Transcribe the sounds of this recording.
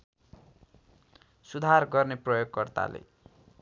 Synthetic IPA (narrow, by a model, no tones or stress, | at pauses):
sud̪ʱarɡʌrneprʌjoɡkʌrt̪a̰lḛ